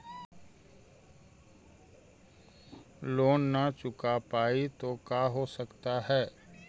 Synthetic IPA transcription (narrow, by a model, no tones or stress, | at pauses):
loːnːat͡ʃʊkapaːit̪okaɦosəkt̪aɦɛː